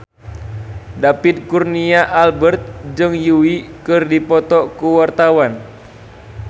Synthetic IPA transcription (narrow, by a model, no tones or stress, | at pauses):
dapit̪̚kurniaʔalbərt̪̚d͡ʒɨŋjuwikɨrdipɔt̪ɔkuwart̪awan